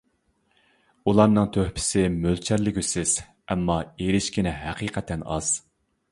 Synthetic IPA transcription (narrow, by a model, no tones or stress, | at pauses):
ulˠɑɾnɨŋt̪ʰøhpʰɪ̥sɪmølt͡ʃʰɛɾlɪkʲysɪz̥ | ɛmːɑeɾɪʃkʲinɪɦæqʰiːqʰɛt̪ʰɛnɑ̰z̥